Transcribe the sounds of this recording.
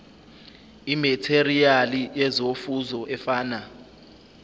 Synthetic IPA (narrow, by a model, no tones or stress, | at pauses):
imɛtʰerialijɛzofuzɔʔɛfaːna